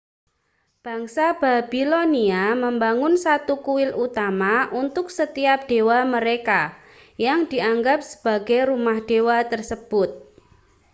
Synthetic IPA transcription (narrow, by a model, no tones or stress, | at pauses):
b̥a̤ŋsab̥ab̥iloniaməmbaŋʊnsat̪ukuwɪlʔut̪amaʔunt̪ʊk̚sət̪iap̚ɖ̥e̤waməɾeka | jaŋd̥i̤aŋɡap̚sə̥b̥a̤ɡajɾumahɖ̥ewat̪ərsəb̥ʊt̪̚